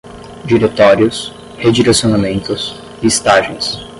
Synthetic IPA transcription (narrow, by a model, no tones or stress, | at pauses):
d͡ʒiɾet̪ɔɾjʊs | hed͡ʒiɾesionamẽnt̪ʊs | ɪɪst̪aʒẽj̃s